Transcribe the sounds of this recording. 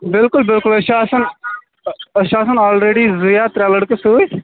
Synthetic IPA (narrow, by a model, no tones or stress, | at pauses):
bɪlkʊlbɪlkʊlɐʃaːsɐn | ɐʃaːsənɔːlɾeːɖizujaːt̪ɾɛːləɽkəsoːj